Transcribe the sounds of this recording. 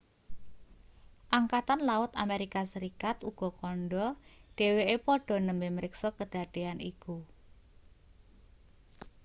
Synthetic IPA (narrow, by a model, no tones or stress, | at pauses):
ʔaŋkat̪anlaʊt̪a̰meɾikasəɾikat̪uɡ̥ɔ̤kɔnɖɔɖ̥e̤weʔepɔɖ̥ɔ̤nəmbeməɾɪksɔkəd̥a̤ɖ̥eaniku